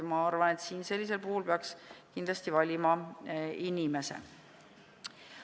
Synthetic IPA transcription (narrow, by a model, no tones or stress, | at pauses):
mɑɑrvɑne̞t̪siːnse̞lːise̞lpuhulpeɑkskind̪lɑst̪ivɑlʲimɑ | inime̞sḛ